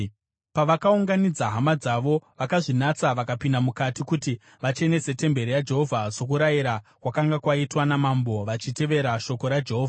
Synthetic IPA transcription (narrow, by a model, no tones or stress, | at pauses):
paʋakauŋɡanid͡zaɦamad͡zaʋo̞ʋakaʐinat͡saʋakapindamukatikuti | ʋat͡ʃe̞ne̞se̞te̞mbe̞ɾijad͡ʒe̞ɦo̞vʱaso̞kuɾajiɾakwakaŋɡakwaitwanamambo̞ʋat͡ʃite̞ʋe̞ɾaʃo̞ko̞ɾad͡ʒe̞ɦoːvʱa